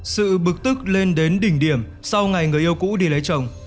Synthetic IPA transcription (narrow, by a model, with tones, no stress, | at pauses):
sɨ̰˧˨ɓɨ˨˩k̚t̪ɨ˦˥k̚le˧nɗe˨˦nɗï˧˩ŋ̟ɗi˧˩əm | sa˧wŋa˨˩jŋɨ˨˩əjʔi˧əwkṵ˧˥ɗi˧˩lə˨˦jt͡ɕə˨˩wŋ͡m